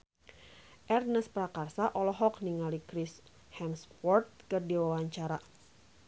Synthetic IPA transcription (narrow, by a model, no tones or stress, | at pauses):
ʔɛrnəspɾakarsaʔɔlɔɦɔk̚niŋalikɾis | hɛmspɔrt̪̚kɨrdiwawaɲt͡ʃaɾa